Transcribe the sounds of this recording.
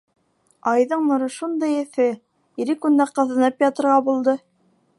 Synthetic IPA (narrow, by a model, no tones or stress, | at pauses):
ɑjðɤɴnŏɾɤ̆ʃund̪ɤjɘ̆θɘ | iɾɘkund̪æqɤ̆ðɤ̆nɤpjɑt̪ɤ̆ɾʁɑbulˠd̪ɤ